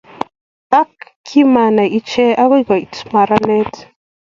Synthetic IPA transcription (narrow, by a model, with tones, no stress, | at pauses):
a˦kː | i˦ma˨na˨ʔi˦t͡ʃɛ˦a˦ɣɔ˦ɡa˨i˨tma˨ɾa˦nɛ˦t